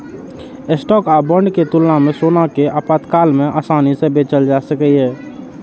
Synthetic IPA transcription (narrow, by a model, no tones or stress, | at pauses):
ɪsʈɔːkaːbə̃ɳɖket̪ʊlnamẽsoːnakeʔaːpaːt̪kaːlmẽʔaːsaːnisebeːt͡ʃəld͡ʒaːsəkəɦɛː